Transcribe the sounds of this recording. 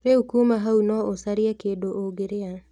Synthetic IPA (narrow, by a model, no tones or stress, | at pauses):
ɾehukumaɦaunɔʔosaɾiɛkedoʔoɡeɾea